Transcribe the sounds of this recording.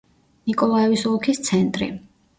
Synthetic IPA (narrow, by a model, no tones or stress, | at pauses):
nikʼɔlˠaɛvisɔlˠkʰist̪sʰɛnt̪ʼɾḭ